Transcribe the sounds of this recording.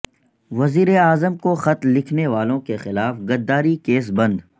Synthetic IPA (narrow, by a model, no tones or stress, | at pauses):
ʋɐziːɾeaːzəmkoxɐt̪lːɪkʰneʋaːlõkexɪlaːfɡɐd̪ːaːɾikeːs̬bɐ̃nd̪